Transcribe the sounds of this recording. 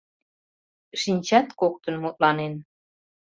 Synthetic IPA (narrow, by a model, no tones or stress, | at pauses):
ʃinʲt͡ɕɑt̪kok̚t̪ə̆nmut̪̚lɑnen